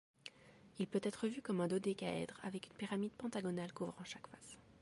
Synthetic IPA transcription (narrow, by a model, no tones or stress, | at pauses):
ilpøt̪ɛt̪χəvykɔmɛ̃d̪od̪ekaɛ̰d̪ʁa̰vɛkynpiʁamid̪̚pɑ̃t̪aɡɔnalkovʁɑ̃ʃakfas